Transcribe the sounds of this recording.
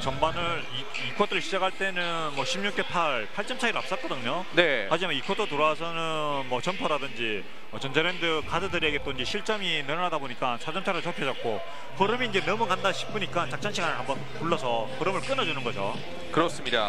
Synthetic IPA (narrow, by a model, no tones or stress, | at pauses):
t͡ɕʌmbanɯɾi | ikʰot͈ʰɯɾɭɕʰid͡ʑakʰaɭt͈e̞nɯ | nmʌɕʰimɲuk͈e̞pʰaɭpʰaɭt͡ɕ͈ʌmt͡ɕʰaiɾoap̚s͈ʌt̚k͈ʌdɯɲo | ne̞had͡ʑimanikʰot͈ʰotoɾʌasʰʌnɯ | nmʌt͡ɕʌnpʰʌɾadɯnd͡ʑi | ʌt͡ɕʌnd͡ʑeɾendɯkadɯdɯɾeɡet͈oiɲd͡ʑeɕʰiɭt͡ɕ͈ʌminɯɾʌnadaboɲik͈ansʰad͡ʑʌmt͡ɕʰaɾɯɭt͡ɕʌpʰjed͡ʑʌtk̚k͈o | hʌɾɯmiːnd͡ʑe̞nʌmukandaɕʰi̥k̚p͈uɲik͈ant͡ɕak̚t͡ɕ͈anɕʰiɡanɯɭɦambʌnkuɭːʌsʰʌhʌɾɯmɯɭk͈ɯnʌd͡ʑunɯnɡʌd͡ʑo̰ | kɯɾʌs͈ɯmɲida̰